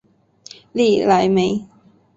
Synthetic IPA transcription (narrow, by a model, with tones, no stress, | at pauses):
li˥˩la˨˦jme˨˦ɪ